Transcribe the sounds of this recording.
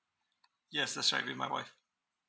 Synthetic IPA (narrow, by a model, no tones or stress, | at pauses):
jɛsðætsɹa̰ɪʔ̚bimaɪwa̰ɪf